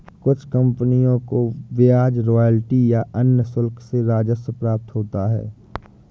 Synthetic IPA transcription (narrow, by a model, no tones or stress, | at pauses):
kʊt͡ʃʰkə̃mpənijõkoʋɪaːd͡ʒɾoːjəlʈijaʔənjəsʊlkʰseɾaːd͡ʒəsəpɾaːp̚t̪ɦoːt̪aɦɛ̰ː